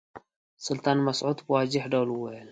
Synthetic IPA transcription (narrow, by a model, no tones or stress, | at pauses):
sɨlt̪ʰanmɐsʕut̪bɨwad͡ʒɪħd̪ɐluwɔil